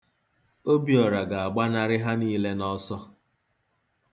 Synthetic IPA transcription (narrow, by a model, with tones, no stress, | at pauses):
o˦bi˨ɔ˨ɾa˨ɡa˨a˨ɡ͡ba˦na˦ɾɪ˦ɦa˦niː˦le˦nɔ˦sɔ˦